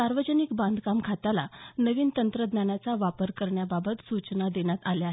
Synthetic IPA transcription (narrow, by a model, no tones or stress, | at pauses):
saɾʋəd͡ʑənikbãnd̪ʱkamkʰat̪alanəʋiːnt̪ənt̪ɾəd̪njanjat͡saʋapəɾkəɾɳjababət̪sut͡snad̪eɳjat̪aljaɦe